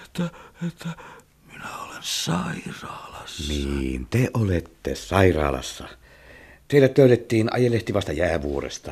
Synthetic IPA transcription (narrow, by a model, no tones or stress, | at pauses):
et̪ːæet̪ːæ | minæolensɑirɑːlɑsniːnt̪eʔolet̪ːḛsɑirɑ̰ːlɑ̰sːɑ | t̪eˑilæt̪løˑyt̪et̪ːiːnʔɑ̰jeleht̪iʋɑst̪ɑjæːʋuorḛst̪ɑ